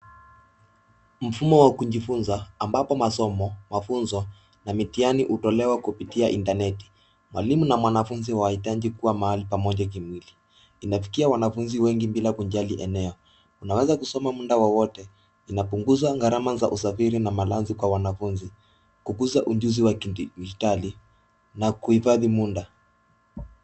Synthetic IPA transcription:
m̩fumɔwakuʄifunzaːmbapɔmasɔmɔmafunzɔ | namitianiʔutɔlɛwakupitiaʔintanɛti̥ | mwa̰limunamwanafunziwaahitaʄikuwamahalipamɔʄak̬imwili | inafi̥kiawanafunziwɛŋɡimbilakuɲʄaliʔɛnɛɔ | unawɛzakusɔmamundawɔwɔtɛ | inapuŋɡuzwaŋɡaɾamaza̰ʔusafiɾinamalanzikwawanafunzi | kukuzaʔuʄuziwakitali | nakuhifaðimunda

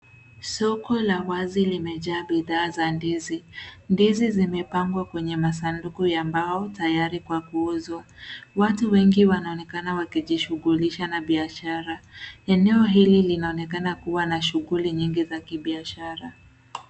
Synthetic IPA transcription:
sɔkɔlawazilimɛʄaːɓiðaːzandizindizizimɛpaŋɡwakwɛɲɛmasandukujambaɔtajaɾikwakuuzuwatuwɛŋɡiwanaɔnɛkanawakiʄiʃuɣuliʃanaɓiaʃaɾaɛnɛɔɦililinaɔnɛkanakuwanaʃuɣuliɲiŋɡizakiɓiaʃaɾa

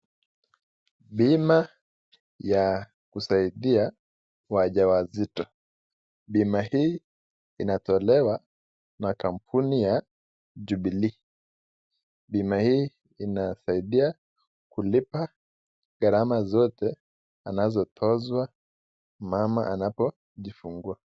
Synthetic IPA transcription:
ɓima | ja | kusaiɗia | waʄawazitɔ | ɓimahiː | inatɔlɛwa | nakam̩pʰunija | ʄuɓili | ɓimahiː | inasaiɗia | kulipa | ɡaɾamazɔtɛ | anazɔtʰɔzwa | mama̰ʔanapɔ | ʄifuŋɡua

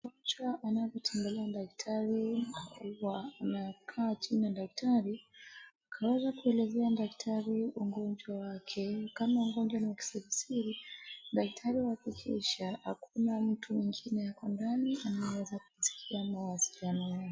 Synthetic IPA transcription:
ɡɔd͡ʒwaʔanavɔtʰɛmbɛlɛadak̚tʰaɾinauwanakʰaːt͡ʃinaɗak̚tʰaɾiakʰawɛzakuɛlɛzɛaɗaktʰaɾiuŋɡɔnd͡ʒwawakʰɛkamauŋɡɔnd͡ʒwanawaki̥sɛvisiɾiɗak̚tʰaɾiwaakikʰḭʃaha̰kʰunam̩tʰumiŋɡinɛjakɔndanianajwɛzakusi̥kʰiamawasi̥lianɔja

